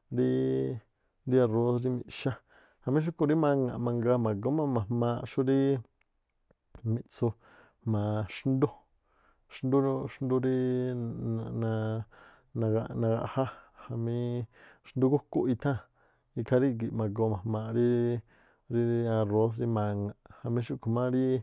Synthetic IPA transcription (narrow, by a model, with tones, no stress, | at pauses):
ɾi˦˧ | ɾi˦a˧ɾo˧˦sɾi˦mḭ̃˧ʃa˦ | ha˧˨mĩ˦ʃ̬u˦ku˧ɾi˦mã˧ŋã̰˨mã˧ŋɡa˧mã˨ɡo˦mã˧mã˨mã˧ʃu˦ɾi˦ | mĩ˧t͡su˧ | mã˨ʂnd̪u˦ | ʃnd̪u˦˧ʂnd̪u˧ɾi˦˧ | nã˧ | nã˧ɡa˧nã˧ɡa̰˧ʔha˦ha˨mĩ˧ʃnd̪u˦˧ɡu˦ku˦ʔi˧t̪ʰã˦ | i˧kʰa˧ɾi˦ɡi˨ʔmã˨ɡo˧mã˨mã˧ɾi˦ | ɾi˧a˧ɾo˧˦s̬ɾi˧mã˧ŋa˨ha˨mĩ˧˦ʃu˦kʰu˨mã˦ɾi˦